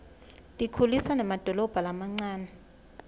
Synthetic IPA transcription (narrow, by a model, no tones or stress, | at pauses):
dʼikʰulisanamad̥ʱɔlɔb̥ʱalamaŋ͡ǀaːnɛ